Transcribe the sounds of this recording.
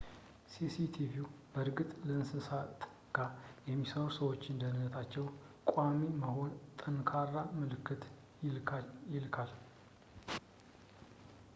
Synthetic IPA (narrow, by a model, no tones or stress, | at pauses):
sisit̪ʰivjubəɾɡɨt̪ʼləɨnsɨsat̪ | ɡ̥ajɛmːisəɾusəwo̞t͡ʃːɨnd̪əhnːət̪ʰat͡ʃːɛw | kʼamiməho̞nt̪ʼənkʰarːamɨlɨkːɨt̪ | jɪlkʰal